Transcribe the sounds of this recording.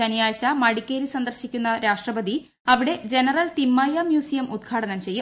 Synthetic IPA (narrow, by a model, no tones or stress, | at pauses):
ɐnijaːjɐɕɐmɐɽikʲːeːɾisɐnd̪ɐrɕikʲːunːɐɾaːʂʈrɐbɐd̪i | ɐʋiɽe̞d͡ʑe̞nɐrɐlt̪imːɐːjamjuːsijɐmʔud̪̚ɡʰʱaːɽɐnɐmt͡ɕe̞jːu